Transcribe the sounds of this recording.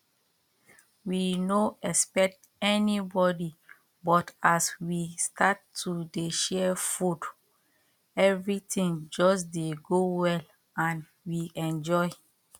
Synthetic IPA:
winoɛspɛk̚t | ɛnibɔdi | bɔtaswistatːudeʃɛfud | ɛvɹitĩŋd͡ʒɔsdeɡowɛl | ãn | wiɛ̃nd͡ʒɔɪ

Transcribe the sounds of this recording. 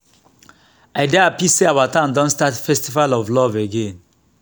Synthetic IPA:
aɪdɛapiseawatãʊ̃ndɔ̃ntstatfɛstivalɔvlɔveɡẽn

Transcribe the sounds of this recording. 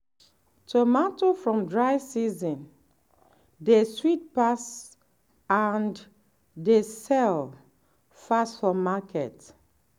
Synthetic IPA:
tʰomatofɹɔ̃mdɹaɪsizɔ̃n | deswit̚pas | ãn | desɛl | fasfɔmakʰɛt

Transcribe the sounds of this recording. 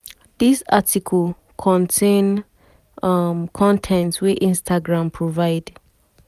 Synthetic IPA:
disatikʰɔl | kʰɔ̃ntʰẽn | mkʰɔ̃ntʰɛ̃ntwiʔĩnstʰaɡɹãmpʰɹovaɪd

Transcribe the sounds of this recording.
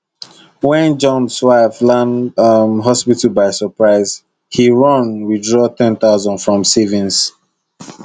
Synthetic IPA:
wɛ̃nd͡ʒɔ̃nswaɪflãnʌmɦɔspitəlbaɪsəpɹaɪz | hiɹʌ̃nwidɹɔtɛ̃nθaʊzə̃ndfɹɔ̃msivĩns

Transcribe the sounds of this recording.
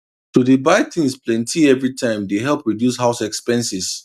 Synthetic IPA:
tudibaɪtʰĩnsplɛ̃ntʰiɛvɹitʰãɪ̃mdeɦɛlˠpɹidjusɦaʊsɛkspɛ̃nsis

